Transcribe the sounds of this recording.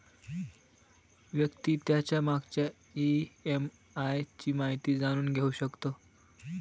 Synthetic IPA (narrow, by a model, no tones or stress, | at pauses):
ʋjəkt̪iːt̪jat͡ɕjamaɡt͡ɕja | iem | ajt͡ɕiːmaɦit̪iːd͡zaɽ̃uːnɡʱeuɕəkt̪o